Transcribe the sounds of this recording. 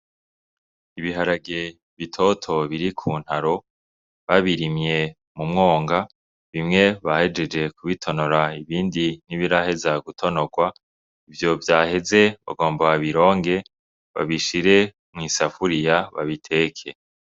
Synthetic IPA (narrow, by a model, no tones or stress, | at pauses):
iβiɦaɾaɡe̞ | βitʰo̞tʰo̞βiɾikʰuːn̥haɾo̞ | βaβiɾimje̞ | mumŋo̞ːŋɡa | βimŋe̞βahe̞d͡ʒe̞d͡ʒe̞kuβitʰo̞no̞ɾaiβiːndiniβiɾahezaɡutʰo̞no̞ɡwa | ivjo̞vjaːhe̞ze̞βa̰ɡo̞ːmbaaβiɾo̞ːŋɡe̞ | βa̰βiʃiɾe̞ | mŋiːsafuɾijaβa̰βitʰe̞ːkʰe̞